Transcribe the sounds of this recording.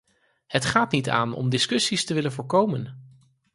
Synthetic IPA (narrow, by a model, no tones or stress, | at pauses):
hətχaːtnita̰ːnɔ̰mdɪskɵsistəʋɪlənvʊːɹkowmən